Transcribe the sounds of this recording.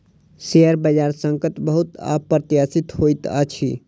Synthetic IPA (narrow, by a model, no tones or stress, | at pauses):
seəɾbəd͡ʒaːɾsə̃ŋkət̪bəɦut̪a̰pːɾt̪jaːsit̪ɦojt̪ə̰t͡ʃʰi